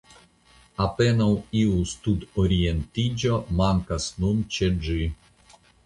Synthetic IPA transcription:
apenawiust̪ud̪oɾʲient̪id͡ʒomaŋkasnunt͡ʃed͡ʒɨ

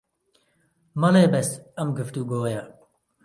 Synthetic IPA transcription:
mɐlebest̪ɐmɡəft̪uːɡoːja

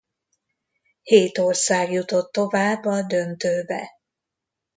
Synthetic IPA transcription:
heːt̪orsaːɡjut̪o̞t̪ːo̞vaːbːɒd̪ønt̪øːbɛ̰

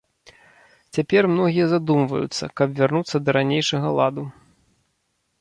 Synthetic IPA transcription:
t͡sʲapʲɛrmnɔɣʲijɐzad̪umvɐ̰jṵt̪sːɐ̰kɐpvʲarnut̪sːɐd̪ɐɾanʲejʂɐɣɐlˠad̪u

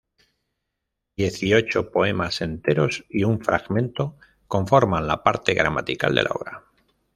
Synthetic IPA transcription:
d̪je̞θio̞t͡ʃo̞po̞e̞mase̞nt̪e̞ɾo̞siuɱfɾa̰ɣmẽ̞nt̪o̞ | ko̞ɱfo̞ɾmãnlapaɾt̪eɣɾama̰t̪ika̰ld̪e̞̰lao̰βɾa

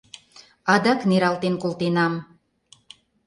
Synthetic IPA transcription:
ɑd̪ɑkneɾɑlt̪enkolt̪enɑm

